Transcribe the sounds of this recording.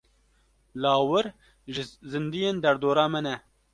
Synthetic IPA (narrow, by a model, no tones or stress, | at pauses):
lɑːwɨɾ | ʒzɨnd̪ijeːnd̪ɛɾd̪oːɾɑːmɨnɛ